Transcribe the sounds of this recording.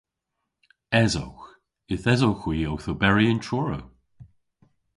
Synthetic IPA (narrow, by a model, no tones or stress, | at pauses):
ɛzo̰wx | ɪθɛzowxwiːowθobɛɹiɪntʰɹɔːɹo̰w